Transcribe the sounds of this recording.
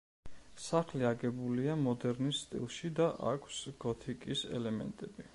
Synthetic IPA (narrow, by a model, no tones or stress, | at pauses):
saχliaɡɛbuliamɔd̪ɛɾnisst̪ʼḭlˠʃid̪aʔa̰kʷʰsɡ̥ɔt̪ʰikʼisɛ̰lɛmɛ̰nt̪ʼɛbi